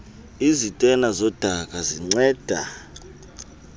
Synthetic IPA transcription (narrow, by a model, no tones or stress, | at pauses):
izitʼɛnazɔd̥ʱak̬ʼaziŋ͡ǀɛːd̥ʱa